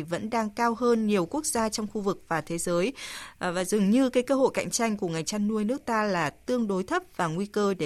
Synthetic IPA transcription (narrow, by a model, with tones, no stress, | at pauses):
və̰˧˥nɗaː˧ŋkaː˧wɦəː˧nɲi˨˩əwku˦˥ək̚z̥aː˧t͡ɕɔ˧wŋ͡mxu˧vɨ˨˩k̚vaː˨˩t̪ʰe˨˦zəː˨˦jvaː˨˩zɨ˨˩ŋɲɨ˧kaː˨˦jkəː˧ɦo̰˧˨jka̰˧˨jŋ̟t͡ɕa˧jŋ̟ku˧˩əŋa˨˩jŋ̟t͡ɕa˧nːu˧əjnɨ˦˥ək̚t̪aː˧laː˨˩t̪ɨ˧əŋɗo˨˦jt̪ʰə˦˥p̚v̥aː˨˩ŋwi˧kəː˧ɗe˧˩